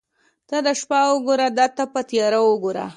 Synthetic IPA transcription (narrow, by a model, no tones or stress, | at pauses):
t̪ad̪əʃpɑwoɡoɾad̪at̪apət̪jɑɾawoɡoɾa̰